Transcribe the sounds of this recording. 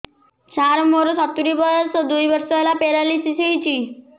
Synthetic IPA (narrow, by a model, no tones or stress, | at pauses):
t͡ɕaɾmoɾsat̪ːuɾipəsɔd̪ujʋəɾsəlapeɾalisiseɦit͡ɕi